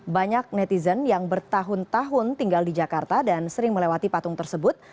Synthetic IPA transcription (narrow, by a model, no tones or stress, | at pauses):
baɲak̚nɛt̪izənjaŋbərt̪aɦʊnt̪aɦʊnt̪iŋɡaldid͡ʒakart̪adansəɾɪŋməlewat̪ipat̪ʊŋt̪ərsəbʊt̪̚